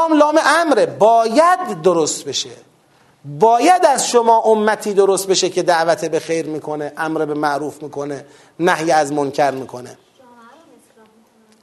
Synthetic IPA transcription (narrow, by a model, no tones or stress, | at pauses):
mlɒːmeʔæmɾebɒːjæd̪ːoɾost̪be̞ʃe | bɒːjæd̪æzʃomɒːʔomːæt̪ʰiːd̪oɾost̪̚be̞ʃe̞cʰe̞d̪æʔvæt̪ʰebexejɾmiːkʰo̞neʔæmɾebemæʔɾuːfmiːkʰo̞ne | næhjeæzmoncʰæɾmiːkʰo̞nḛ